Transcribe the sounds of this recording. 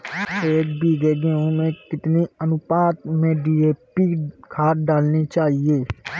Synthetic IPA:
seːkbiːɡ̪eɡẽːõmẽkɪt̪niənʊpaːt̪mẽɖiːeːpikʰaːt̪̚ɖaːlnit͡ʃaːɦieː

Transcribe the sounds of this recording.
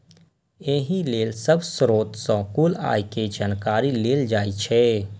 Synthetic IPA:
eːɦĩleːlsəbsɾoːt̪sɔ̃kuːla̰ːjked͡ʒaːnkaːɾileːld͡ʒaːit͡ʃʰɛ

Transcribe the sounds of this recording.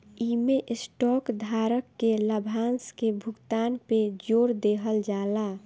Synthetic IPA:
imeʔsʈɔkd̪ʱaɾəkːeləbʱanskebʱuɡt̪anped͡ʒoɾd̪eɦəld͡ʒala

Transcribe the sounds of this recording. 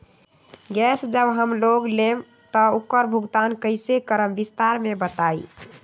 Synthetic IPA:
ɡɛsd͡ʒəbɦəmloɡlem | t̪əukːəɾbʱuɡt̪ankəɪsekəɾəmbist̪aɾmebət̪ai

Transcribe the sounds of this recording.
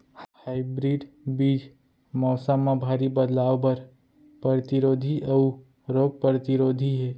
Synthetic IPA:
haːɪbɾiːɖ | biːd͡ʒ | mɔːsəmːãbʱaːɾibəd̪laːobəɾ | pɾəɾət̪iɾoːd̪ʱiʔəu | ɾoːɡ̚pəɾət̪iɾoːd̪ʱiɦɛː

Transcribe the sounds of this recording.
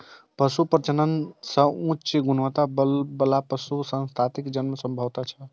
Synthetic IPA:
pəsupəɾt͡ʃənənsə̃ũt͡ʃt͡ʃeɡunʋət̪abəlbəlapəsusə̃nst̪ʰat̪ikd͡ʒənmesəmbʱəʋt̪at͡ʃʰə

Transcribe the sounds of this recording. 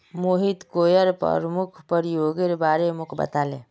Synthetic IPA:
moɦit̪kojəɾpə̰ɾmukʰpəɾijoɡeɾbaɾemukʰbə̰t̪ale

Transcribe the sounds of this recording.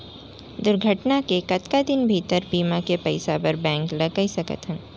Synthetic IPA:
d̪ʊɾɡʱəʈnakekɐt̪kad̪ɪnbʱiːt̪əɾbiːmãkepɐɪsapɐɾbɛ̃ːŋklɐɡːaisɐkə̰t̪ɦɛ̃

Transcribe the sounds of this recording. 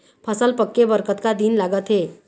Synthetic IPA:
pʰəsəlpəkːebəɾkət̪kad̪iːnlaɡət̪ɦe

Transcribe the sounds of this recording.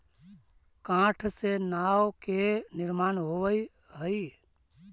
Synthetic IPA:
kãːʈʰsenaːwkenɪɾmaːnɦoʋəi | ɦəi

